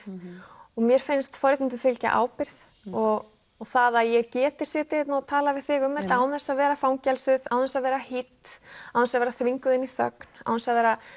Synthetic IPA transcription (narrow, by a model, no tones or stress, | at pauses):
ɔɣmjɛɾ̥fɪnst̪fɔɾɪt̪ɪnt̪ʏfɪlca̰ʔa̰ːwpɪɾ̥ð | ɔɣ | ɔθaðaðjɛɣcɛːt̪ɪ̥sjɛt̪ɪɛt̪naɔt̪ʰaːlavɪðθɪɣʏmːɛ̥t̪aːwðɛ̥saðvɛːɾafaːwŋcɛlsʏðawθɛnsaðvɛːɾahɪt̪awɛnsaðvɛːɾaθviŋkʏðɪnːiθœ̰kn̥a̰wθɛnsaðvɛːɾa